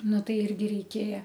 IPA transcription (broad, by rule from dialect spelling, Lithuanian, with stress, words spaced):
ˈnʊ ˈtɐɪ ˈɪrʲɡʲɪ rʲɛɪˈkʲeːjɛ